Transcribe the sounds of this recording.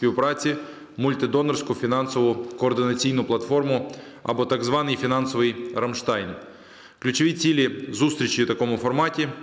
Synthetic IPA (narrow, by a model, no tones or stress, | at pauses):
pʲiwpɾat͡sʲɪ | mʊlʲt̪ɪd̪ɔnɐrsʲkʊfʲinɑnsɔʋʊkɔːrd̪ɪnɐt͡sʲijnʊplˠɐt̪fɔrmʊ | ɐ̰bɔt̪ɐɡzʋɑnɪjfʲinɑnsɔʋɨjrɐmʂt̪ajn | klʲʊt͡ʃɪʋʲit͡sʲilʲɪzust̪ɾʲɪt͡ʃɪwt̪ɐkɔmʊfɔrmatʲɪ